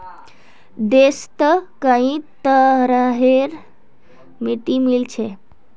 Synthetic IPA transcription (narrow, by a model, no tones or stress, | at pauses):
d̪est̪əkaĩt̪əɾaɦeɾ | miʈimilt͡ɕʰe